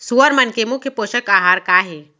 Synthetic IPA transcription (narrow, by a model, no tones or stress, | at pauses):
suəɾmɐnkemʊkʰjəpoːʃəkaːɦaːɾkaːɦeː